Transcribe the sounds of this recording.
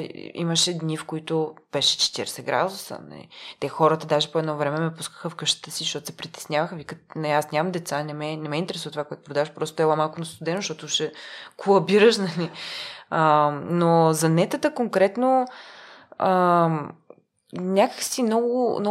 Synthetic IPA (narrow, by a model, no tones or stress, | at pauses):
ḭməʃɛd̪nifkoit̪ʊb̥ɛʃɛ̥t͡ʃɛ̥t̪iɾɛsɛɡɾa̰d̪ʊsə̰nɐ̰lḭt̪ɛxɔɾət̪əd̪aʒɛpoɛd̪nɔvɾɛmɛmɛpuskə̥xəfkəʃt̪ə̥t̪əsiʃʃt̪ɔt̪ʊsɛpɾit̪ɛ̥snʲjavəxəvikənɐiasnʲamɐmd̪ɛt̪sanɛmɛnɛmɛint̪ɛɾɛsuvət̪ovakoɛt̪ʊpɾod̪avəʃpɾɔst̪o̥t̪ɛlˠamalˠkʊnɐst̪ud̪ɛnoʃt̪ɔt̪ouʃɛkʰʊɐbiɾəʃnɐliənozɐnɛt̪ət̪əkoŋkɾɛt̪no | ə | nʲakəksinɔɡʊnɔ